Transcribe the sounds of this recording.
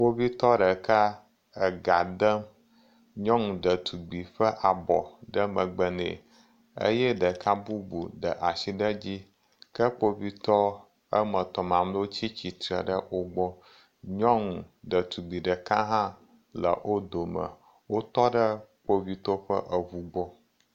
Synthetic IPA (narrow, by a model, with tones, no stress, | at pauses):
k͡po˦vi˦t̪ɔ˦ɖə˨kʰa˦ | ə˨ɡa˨d̪ə˦m | ɲɔ̃˦ŋ˨ɖə˨t̪ʰu˨ɡ͡bi˨ɸə˦ʔa˨bɔ̰˨ɖə˦mə̃˨ɡ͡bə˨nḛ˨ | ə̰˦jɛ˦ɖə˨ka˦bu˦bu˨ɖə˨ʔa˨ʃi˦ɖə˦d͡ʑi˦ | kə˦k͡po˦vi˦t̪ɔ˦ | ə˦mə˨t̪ɔ˨mã˨mlo˦t͡ɕi˦t͡ɕi˨t̪ɾə˨ɖə˦wo˦ɡ͡bɔ˦ | ɲɔ̃˦ŋ˨ɖə˨t̪u˨ɡ͡bi˨ɖə˨kã˦ɦã˦ | lə̰˨ʔo˦d̪o˨mə̰˨ | wo˦t̪ɔ˦ɖə˦k͡po˦vi˦t̪ɔ˦ɸə̰˦ʔə˨ɦu˦ɡ͡bɔ˦